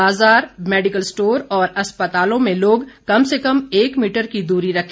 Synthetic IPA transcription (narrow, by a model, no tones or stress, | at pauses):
aːzaːɾmɛːɖɪkəlsʈoːɾɔːɾɐspət̪aːlõmẽloːɡkɐmsekɐmeːkmiːʈəɾkid̪uːɾiɾɐkʰ